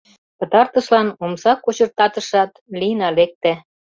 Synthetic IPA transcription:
pə̆t̪ɑrt̪əʃlɑnomsɑkot͡ɕə̆rt̪ɑt̪əʃɑt̪linɑlek̚t̪æ

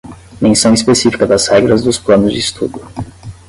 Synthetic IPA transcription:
mẽsɐ̃w̃ispesifi̥kɐd̪ɐzhɛɡɾɐzd̪ʊsplɐ̃nʊzd͡ʒɪist̪ud̪ʊ

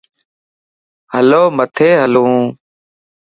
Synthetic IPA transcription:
həloːmət̪ʰeːɦəluːũː

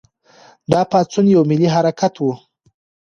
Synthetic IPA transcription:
d̪ɑpat͡sunjawmɪliɦaɾakʰat̪wu

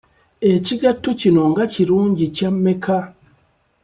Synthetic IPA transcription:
eciɡatucino̞ŋɡaciɾuːɲɟicamːekʰa

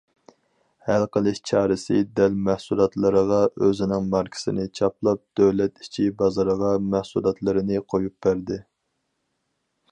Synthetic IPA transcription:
hælˠqəlˠɪʃt͡ʃʰɑːɾɪsɪd̪ɛlmæhsulˠɑt̪lˠɨɾəʁɑøzɪnɪŋmɑɾkʰɪ̥sɪnɪt͡ʃʰɑplˠɑp̚d̪̥øwlɛt̪i̥t͡ʃʰibɑzɑɾʁɑmɛhsulˠɑt̪lˠɨɾɨnɪqʰojup̚bæɾd̪ɪ

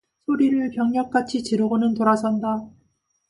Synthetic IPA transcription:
sʰoɾiɾɯɭpjʌŋɲʌk̚k͈at͡ɕʰit͡ɕiɾoɡonɯntoɾasʰʌnda

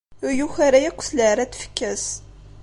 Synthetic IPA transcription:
ʊɾjuçaɾajækʷːsləʕɾæt̪ːfə̥kːæs

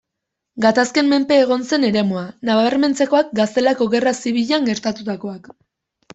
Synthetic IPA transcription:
ɡat̪askemme̞mpe̞ːɣ̞o̞nse̞ne̞ɾe̞moanaβaβeɾme̞nt͡seko̞ak̚ɡast̪e̞lako̞ɣe̞rasiβ̞iʎaŋɡe̞ɾt̪at̪ut̪ako̞ak

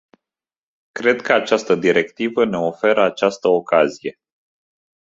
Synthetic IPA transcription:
kɾe̞d̪kəat͡ʃast̪əd̪iɾe̞kt̪ivəne̞o̞fe̞ɾəat͡ʃast̪əokazije̞

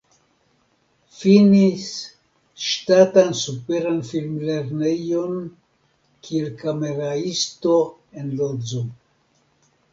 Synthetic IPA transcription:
finis | ʃtatansupeɾanfilmleɾnejon | kʰielkameɾaisto | enlozo

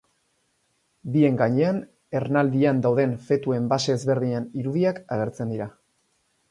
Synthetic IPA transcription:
bie̞ŋɡaɲe̞an | e̞ɾnald̪iand̪awðe̞nfe̞t̪ue̞mbase̞ːzβe̞ɾðiɲeniɾuðiakaɣ̞e̞ɾt͡se̞nd̪iɾa

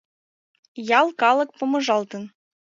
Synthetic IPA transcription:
jɑlˠkɑlˠɤ̆k̚pŏmɤ̆ʐɑlˠt̪ɤ̆n

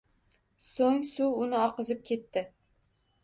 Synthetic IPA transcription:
soŋsuʊnɪɒqɨzɪp̚kʲʰe̞t̪ʰːɪ

